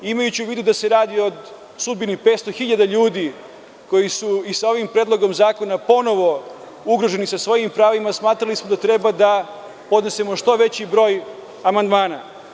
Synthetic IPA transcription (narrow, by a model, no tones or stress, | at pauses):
imajut͡ɕiuʋiːd̪ud̪ase̞ɾaːd̪io̞d̪ | sud̪binipet̪st̪o̞xiʎad̪aʎuːd̪i | ko̞jisuisao̞ʋimpɾeːd̪lˠo̞ɡo̞mzaːko̞napo̞no̞ʋo̞ | uɡɾo̞ʒe̞nisasʋo̞jimpɾaːʋimasmaːt̪ɾalismo̞d̪at̪ɾe̞bad̪a | po̞d̪ne̞semo̞ʃt̪o̞ʋe̞t͡ɕibɾo̞ːj | amand̪maːna̰